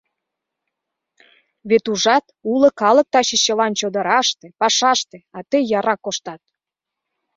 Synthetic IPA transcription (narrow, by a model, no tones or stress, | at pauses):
βet̪uʒɑt̪ulə̆kɑlə̆k̚t̪ɑɕeɕəlɑnt͡ɕod̪ə̆ɾɑʃt̪epɑʃɑʃt̪eɑt̪əjɑɾɑkːoʃt̪ɑt̪̚